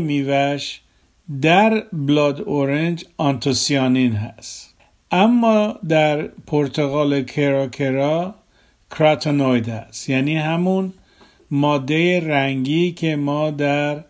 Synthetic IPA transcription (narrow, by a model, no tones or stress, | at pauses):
miːvæʃ | d̪æɾblɒd̪oɾend͡ʒɒnt̪ʰosiɒninɦæst̪ | ʔæmːɒd̪æɾpʰoɾt̪ʰoɣɑːlekʰeɾɑkʰeɾɒ | kʰɾæt̪ʰonojd̪æst̪jæːniːɦæmun | mɒːd̪ːe̞jeɾæŋɡiːcʰe̞mɒːd̪æɾ